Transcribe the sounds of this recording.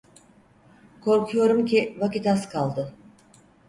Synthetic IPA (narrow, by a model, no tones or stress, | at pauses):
kʰo̞ɾkʰujo̞ɾumcʰivakit̪askʰalˠd̪ɯ